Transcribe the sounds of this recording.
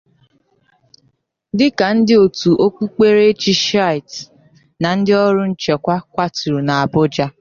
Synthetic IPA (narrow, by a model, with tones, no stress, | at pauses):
dɪ˦ka˨n̩˦dɪ˦o˨tu˨ʔo˦kʷu˦k͡pe˦ɾe˦t͡ʃi˦ʃa˦˨jt | na˨n̩˦dɪ˦ɔ˦ɾʊ˦n̩˦t͡ʃe˨kʷa˦kʷa˦tu˨ɾu˨na˨a˨bʊ˦d͡ʒa˦